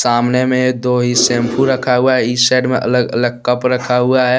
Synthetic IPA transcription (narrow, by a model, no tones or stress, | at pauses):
saːmnemẽd̪oːɦisẽːmpʰuɾɾəkʰaɦʊaɦɛisɛːɖmḛ̃ʔə̰ləɡə̰ləɡ̚kəpɾəkʰaɦʊaɦɛ